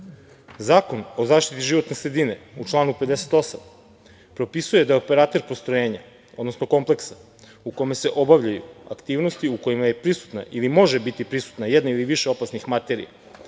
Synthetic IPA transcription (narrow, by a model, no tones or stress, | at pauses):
zaːko̞no̞zaːʃt̪it̪iʒiʋo̞t̪nesɾe̞d̪ine̞ut͡ʃlˠaːnupe̞d̪ese̥t̪o̞sam | pɾo̞pisuje̞d̪ajeope̞ɾat̪e̞ɾpo̞st̪ɾo̞jeːɲa | o̞d̪no̞sno̞ko̞mple̞ksa | uko̞me̞se̞ʔo̞baʋʎajṵa̰kt̪iːʋno̞st̪iuko̞imaje̞pɾisu̥t̪na̰ʔilimo̞ʒe̞bit̪ipɾisu̥t̪najed̪nailiʋiʃeo̞pasnixmat̪e̞ɾḭja̰